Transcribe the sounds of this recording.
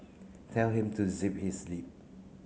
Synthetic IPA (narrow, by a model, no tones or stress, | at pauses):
tʰɛlhĩmtʰuzip̚hislip̚